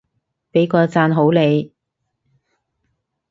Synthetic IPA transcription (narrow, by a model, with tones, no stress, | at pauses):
pe˨˥jkɔː˧t͡saː˧nɦo˨˥wle˨˧j